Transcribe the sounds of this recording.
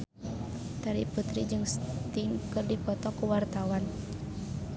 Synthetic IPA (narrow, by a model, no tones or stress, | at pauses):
t̪aɾiput̪ɾid͡ʒɨŋst̪iŋkɨrdipɔt̪ɔkuwart̪awan